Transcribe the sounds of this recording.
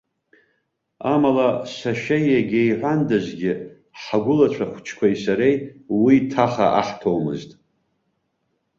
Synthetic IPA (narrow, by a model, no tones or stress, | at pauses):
amalasʷaʃᶣajaɡʲejħʷandazʷɡʲɪ | ħaɡʷʊlat͡ʃʷʰaχʷt͡ʃʰkʷʰaisaɾejwitʰaχa̰ʔa̰ħtʰowmɨ̰ztʼ